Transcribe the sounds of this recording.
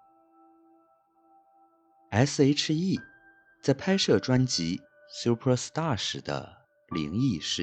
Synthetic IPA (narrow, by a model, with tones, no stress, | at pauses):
a˧˥s̩˥˧e˧˥ɪʈ͡ʂʰɻ̩˧˥i˥˩ | t͡sa˥˩ɪpʰa˥ɪʂɤ˥˩ʈ͡ʂwa˥nt͡ɕi˧˥ | sju˥pʰə˥s̩˧t̪a˥˩ʂɻ̩˨˩d̪ə̰˧ | lḭ˧˥ŋi˥˧ʂɻ̩˥˩